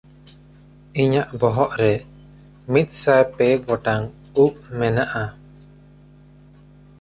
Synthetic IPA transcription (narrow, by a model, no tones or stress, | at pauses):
iɲaʔbɔɦɔʔɾɛ | mit̪̚ˀsajpɛɡɔʈaŋ | uʔ̚mɛnaʔa